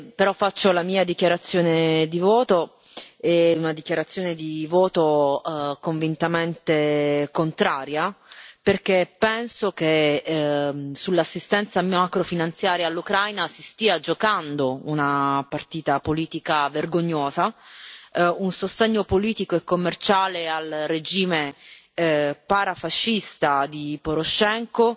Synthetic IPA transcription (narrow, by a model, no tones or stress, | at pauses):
peɾɔfːat͡ʃːolamiːad̪ik̟jaɾat̪sːjoːned̪ivɔːt̪o | eunad̪ikjaɾat̪sːjoːned̪ivɔːt̪o | koɱvint̪ament̪ekont̪ɾaːɾjaperkepːɛnsok̟e | sulːasːist̪ɛnt̪samakɾofinant̪sjaːɾjalːukɾajnasist̪iːad͡ʒokand̪ounapart̪iːt̪apoliːt̪ikaverɡoɲːoːza | unsost̪eɲːopoliːt̪ikoekːomːert͡ʃaːlealred͡ʒiːme | paɾafaʃːist̪ad̪ipoɾoʃːɛŋko